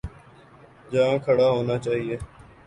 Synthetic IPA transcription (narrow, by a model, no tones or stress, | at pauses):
d͡ʒãːkʰəɽaːɦoːnaːt͡ʃaːɦieː